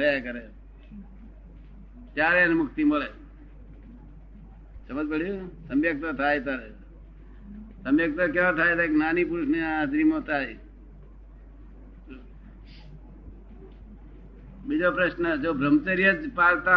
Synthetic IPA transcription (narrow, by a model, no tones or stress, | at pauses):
əjakəɾe | t̪jaːɾenmʊkʰt̪iməle | səməd͡ʒpəɽusəmjək̚t̪at̪ʰaːjt̪aɾe | səmjək̚t̪ak̬jãːt̪ʰaːjt̪aknaːnipuɾʊsnead̪ɾimot̪ʰaːj | bid͡ʒopɾəʃnəd͡ʒobʱɾəmt͡ʃəɾijəd͡ʒpalt̪a